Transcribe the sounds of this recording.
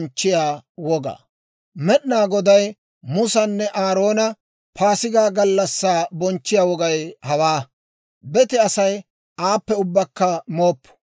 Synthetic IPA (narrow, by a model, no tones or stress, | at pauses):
nt͡ʃːɪjaːwɔɡa̰ː | mɛɗnaːɡɔd̪ɐj | mʊsɐnːɛʔaːɾo̞ːnɐ | paːsɪɡaːɡɐlːɐsːaːbɔnt͡ʃːɪjaːwɔɡɐjhɐwaː | bɛt̪ɛɐsɐj | ʔaːpːɛʊbːɐkːɐmo̞ːpːʊ̥